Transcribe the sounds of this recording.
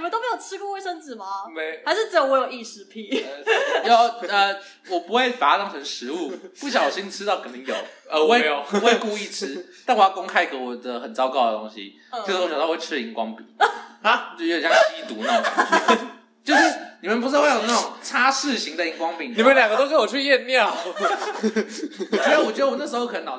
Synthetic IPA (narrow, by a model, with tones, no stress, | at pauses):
ni˨˩ə˨nt̪o˥me˥jo˨˩ʊʈ͡ʂʰɻ̩˥ku˥˧we˥˩ɪʂə˥ŋt͡s̩˨˩ma˧ha˧ɪʂɻ̩˥˩t͡sɻ̩˧˥jo˧˦wjo˨˩i˥˩ʂɻ̩˧˥pʰi˥˩˧jo˨˩ə˧ | wɔ˨˩pu˦xwe˥˩ɪfa˧˥ʂə˥ŋxə˨˦nʂɻ̩˧˦u˥˩pu˥˩ɕ̬jɑ˦ŋ˩wʊɕi˦ŋi˨˩ʈ͡ʂʰɻ̩˥ɑ˥˩ʊkə˨˩nt̪i˧˥ŋjo˨˩˦ʊə˧˦we˥˧˨we˥˧ku˥˧i˥˧ʈ͡ʂʰɻ̩˥t̪a˥nwjɑ˥˩ko˥ŋkʰa˥ɪɡə˧˥wɔ˨˩d̪ə˦xə˨˩nt͡sɑ˥ʊkɑ˥˩ʊd̪ə˩t̪o˥ŋɕḭ˦˥˧ | ʂ̩˧˥˧ɕwe˥˩ʈ͡ʂʰɻi˧˥ŋkwɑ˦˥ŋpḭ˨˩ŋ˦ | o˥˩˨ja˥˩˥ɕi˥ŋi˥˩t̪u˨˥nə˨˩ | t͡ɕjo˥˧ʊʂɻ̩˥˩ni˨˩mə˨npu˧˥we˥˨jo˨˩na˥˩ʈ͡ʂoʊ˨˩ŋt͡sʰa˥ʂɻ̩˥˩ɕi˧˥ŋd̪ə˨i˧˥ŋkwɑ˥ŋpi˨˩ŋni˨mə˦nljŋɡə˧t̪o˥ʊʂ̬ɻ̩˥˩wɔ˨˩t͡ɕʰy˥˧jɛ˥˧nnjɑ˥˨ʊ˨˩˥ | a˥wɔ˨˩t͡ɕɥɛ˧˥d̪ə˧wɔ˨˩na˥˩ʂɻ̩˧˥xo˧k̪ʰə˧˦nɑ˨˩